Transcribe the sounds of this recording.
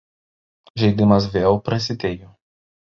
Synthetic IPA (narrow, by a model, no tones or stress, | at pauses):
ʒʲɛɪd̪ʲɪmɐs̬ʋʲeːlˠpɾɐsʲɪt̪ʲeːjo